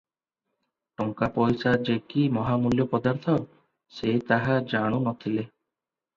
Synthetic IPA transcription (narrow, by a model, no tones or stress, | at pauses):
ʈɔŋkapɔjsad͡ʒekimɔɦamuljɔpɔd̪aɾt̪ʰɔ | set̪aɦad͡ʒaɽ̃unɔt̪ʰile